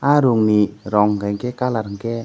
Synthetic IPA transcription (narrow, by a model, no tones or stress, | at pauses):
aɾoŋniɾɔŋkɛŋkɛkalaɾŋkɛ